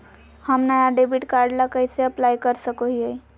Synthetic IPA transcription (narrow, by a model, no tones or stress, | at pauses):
həmnajaɖebiʈkaɾɖlakəjseəplajkəɾsəkoɦiəj